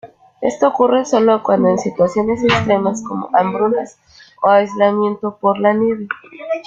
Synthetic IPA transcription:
e̞̰st̪o̞ːkure̞so̞lo̞kwand̪o̞ensit̪wasjo̞ne̞sekst̪ɾe̞masko̞mo̞̰ʔambɾunas | oajzlamje̞nt̪o̞po̞ɾlaneβe

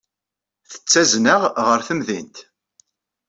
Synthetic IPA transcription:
θə̥t͡sːæznəʁʁəɾθəmðint̪

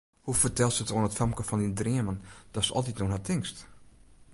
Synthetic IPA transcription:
hufərtɛlˠsətoənətfɛmkəfɔnindriəmənd̥ɔsəɔ̰lˠt̬itnoːnɦatʰɪŋst

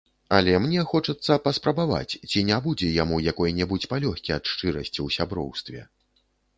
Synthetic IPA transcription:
ɐlʲɛmnʲɛxɔt͡ʂɐt̪sːɐpɐspɾɐbava̰t͡sʲt͡sʲinʲabud͡zʲɛjamujakɔjnʲɛbut͡sʲpalʲɔxʲkʲiɐt̪ʂt͡ʂɨɾɐsʲt͡sʲiwsʲabɾɔ̰wst̪vʲɛ̰

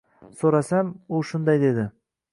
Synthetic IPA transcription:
soɾasamʊʃʊnd̪ajd̪e̞d̪ɪ

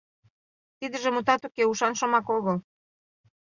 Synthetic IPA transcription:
t̪id̪ə̆ʒĕmut̪ɑt̪ukeuʃɑnʃŏmɑkoɣɤl

